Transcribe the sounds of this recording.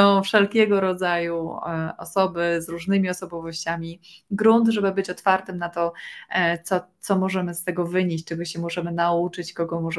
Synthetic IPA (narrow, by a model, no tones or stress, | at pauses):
ɔ̃w̃fʂɛlkʲɛɡɔɾɔd̪zajuɔ̰sɔbɘzɾuʐnɘmʲiɔsɔbɔvɔɕt͡ɕamʲiɡɾund̪ʐɛbɘbɘt͡ɕɔt̪faɾt̪ɘmnat̪ɔ | t̪sɔt̪sɔmɔʐɛmɘst̪ɛɡɔvɘɲeɕt͡ɕt͡ʂɛɡɔɕɛmɔʐɛmɘnaut͡ʂɘt͡ɕkɔɡɔmɔʐɛ